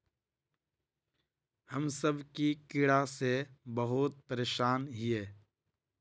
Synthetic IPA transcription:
həmsəbʱkikɪɽasebəɦʊt̪̚pəɾeːʃaːnɦieː

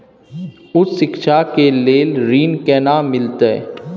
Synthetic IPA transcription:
ʊsːɪkʃakeleːlɾiːnkɛːnamɪlt̪ḛ

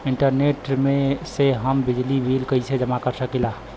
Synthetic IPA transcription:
ɪɳʈəɾneʈmẽseɦəmbɪd͡ʒlibʱilkəised͡ʒəmakəɾsəkila

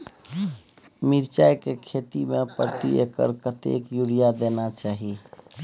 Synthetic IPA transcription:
miɾt͡ʃajkekʰet̪imepɾət̪ḭekə̰ɾkət̪ḛkjuɽijad̪enat͡ʃaːɦi

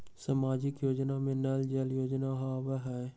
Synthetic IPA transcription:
samaːd͡ʒɪkjoːd͡ʒnamẽnɛld͡ʒəljoːd͡ʒnaɦaʋəɦɛː

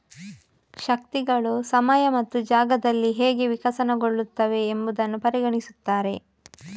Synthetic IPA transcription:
ʃɐk̚t̪iɡɐɭusɐmɐjɐmɐt̪ːud͡ʒaːɡɐd̪ɐlːiɦeːɡeʋikʰɐsɐnɐɡo̞ɭːut̪ːɐʋe̞ːmbud̪ɐnːupɐɾiɡɐɳisut̪ːaːɾe̞

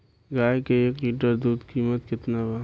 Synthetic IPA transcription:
ɡaːjkeeːkliːʈəɾd̪uːd̪kiːmət̪kɪt̪naba

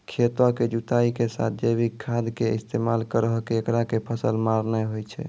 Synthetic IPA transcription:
kʰet̪waked͡ʒut̪aikesa̰t̪̚ʰd͡ʒebikʰːad̪keist̪emalkəɾəɦkeːkɾakepʰəsəlmaɾnɛɦojt͡ʃʰɛ̰

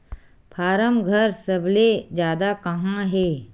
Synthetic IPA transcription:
pʰaːɾəmɡʱəɾsɐbled͡ʒjaːd̪akɐɦãɦɛː

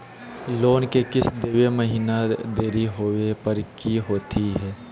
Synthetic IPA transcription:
loːnkekɪsd̪eːweməɦiːnad̪eːɾiɦowepɐɾkiɦoːt̪iɦɛː

